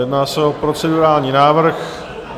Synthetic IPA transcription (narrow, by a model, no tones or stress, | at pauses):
jɛdnaːsɛo̞pɾo̞t͡sɛduɾaːlɲiːnaːvr̩x